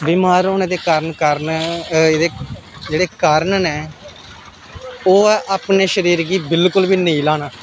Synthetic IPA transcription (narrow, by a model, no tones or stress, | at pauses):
biːmaːɾoːneːd̪eːkaːɾənkəɾnd̪eːd͡ʒeːɽeːkaːɾənnɛː | oːʔaːpneːʃəɾiːɾɡiːbɪlkʊlbiːnəĩːlaːnaː